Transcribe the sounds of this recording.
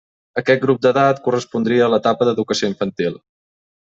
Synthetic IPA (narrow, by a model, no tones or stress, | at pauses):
əkɛt̪̚ɡɾup̚d̪əðat̪kurəspund̪ɾiəːlət̪apəðəðukəsioiɱfənt̪ilˠ